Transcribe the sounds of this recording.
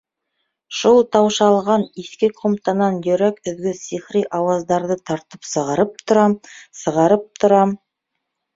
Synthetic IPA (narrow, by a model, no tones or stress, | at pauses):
ʃʊlˠt̪ʰɑwʃɑlˠʁɑniskʲeqʰomt̪ɑnɑnjɵɾækʏðɡʲɪsiχɾijʔɑwɑzd̪ɑɾd̪ət̪ʰɑɾt̪əpsəʁɑɾəp̚t̪ʰʊɾɑsəʁɑɾəp̚t̪ʰʊɾɑm